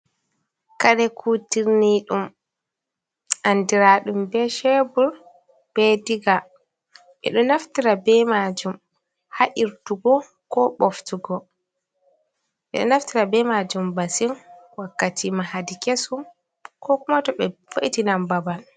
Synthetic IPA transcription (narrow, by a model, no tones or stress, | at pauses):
kaɗɛkʰutiɾniɗum | ʔandiɾaɗumbɛʃɛbuɾ | b̥ɛdiɡa | ʔɛ̰ɗɔnaftiɾabɛmad͡ʒum | haʔiɾtuɡɔ | kɔɓɔftuɡɔ | ʔɛ̰ɗɔ̰naftiɾabɛmad͡ʒumbasinwakːatʰimahadikesum | kʰɔkumatɔɓɛfoʔitinambaban